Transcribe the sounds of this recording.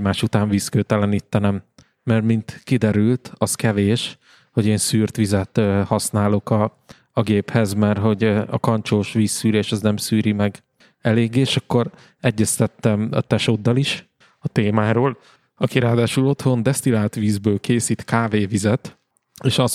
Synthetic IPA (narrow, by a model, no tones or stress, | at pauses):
maːʃut̪aːɱviːskøːt̪ɛlɛniːt̪ːɛnɛmː | ɛrmint̪kid̪ɛɾylt̪ɒskɛveːʃ | ho̞ɟeːnsyːrt̪ʋizɛt̪hɒsnaːlo̞kɒ | ɒɡeːphɛzmɛrɦo̞ɟɒ̰kɒnt͡ʃoːʃʋiːsːyːɾeːʃɛznɛmsyːɾimɛɡ | ɛleːɡeːʃɒkːo̞ɾ | ɛɟːɛst̪ɛt̪ːɛmɒ̰t̪ɛʃod̪ːɒliʃ | ɒt̪eːmaːɾoːl | ɒkiɾaːd̪aːʃulo̞t̪ho̞nd̪ɛst̪ilaːt̪ʋiːzbøːlkeːsiːt̪kaːveːvizɛt̪ | eːʃɒz